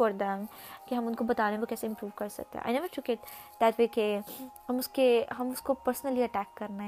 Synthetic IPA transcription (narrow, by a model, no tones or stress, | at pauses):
ɔɾd̪ɛ̃m | kiɦɐ̃mʊnkobɐt̪aːnekokɛːseɪ̃mpɾuːʋkɐɾsɐ̰k̚t̪ḛɛ̰̃ʔa̰ɪnɛʋəɾʈʰʊkɪʈ̚ | d̪æʈʋeːkehɐ̃mʊskeɦɐ̃mʊskopəɾsnəliɐʈæːkːɐɾnaɦɛ